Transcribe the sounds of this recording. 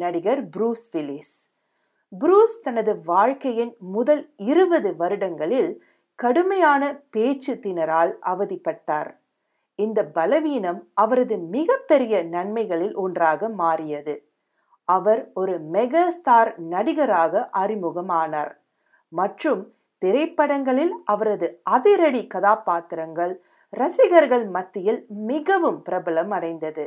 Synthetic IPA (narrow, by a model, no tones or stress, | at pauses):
ɐɽɪɣɐɾbɾuːsʋɪlɪs | bɾuːst̪ɐnɐðɯʋaːɻkɐjɪnmʊðɐlɪɾɯbɐðɯʋɐɾɯɽɐŋɡɐɭɪl | kɐɽɯmɐjaːnɐpeːt͡ʃːɯt̪ːɪnɐɾaːlʔɐ̰ʋɐðɪpːɐʈːa̰ːɾ | ɪnd̪ɐbɐlɐʋiːnɐmɐʋɐɾɐðɯmɪɣɐpːɛɾɪjɐnɐɳmɐɪɣɐɭɪlʔɔndraːɣɐmaːrɪjɐðɯ | ɐʋɐɾɔɾɯmɛɣaːst̪aːɾnɐɽɪɣɐɾaːɣɐʔɐrɪmɯɣɐmaːnaːɾ | mɐʈrɯm | t̪ɪɾɐɪpːɐɽɐŋɡɐɭɪlʔɐʋɐɾɐðɯɐðɪɾɐɽikɐðaːpaːt̪ɪɾɐŋɡɐɭ | ɾɐsɪɣɐɾɣɐɭmɐt̪ːɪjɪlmɪɣɐʋɯmpɪɾɐbɐɭɐmɐɽɐɪnd̪ɐðɯ